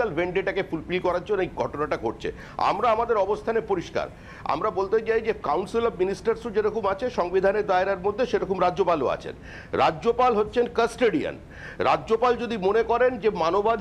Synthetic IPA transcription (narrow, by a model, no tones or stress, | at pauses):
albeɳɖeʈakefulpilkɔɾaɾd͡ʑonːoejɡʱɔʈonaʈaɡʱoʈ̚t͡ɕʰḛ | a̰mɾaamad̪eɾɔbost̪ʰanepoɾiʃka̰ɾ | a̰mɾabolt̪et͡ɕajd͡ʑekawɳsilɔbminisʈaɾsud͡ʑeɾɔkumat͡ɕʰeʃɔŋbid̪ʱaneɾd̪aeɾaɾmod̪ʱːeʃeɾɔkomɾaːopalo̰a̰t͡ɕʰḛn | ɾa̰d͡ʑd͡ʑopalɦotːɕʰenkəsʈeɖia̰n | ɾa̰ʑopald͡ʑod̪imonekɔɾend͡ʑemanobad̪ʱ